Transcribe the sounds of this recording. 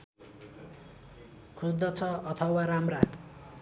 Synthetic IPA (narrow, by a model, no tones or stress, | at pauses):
kʰusd̪ʌt͡sʰʌʌt̪ʰʌwaɾamra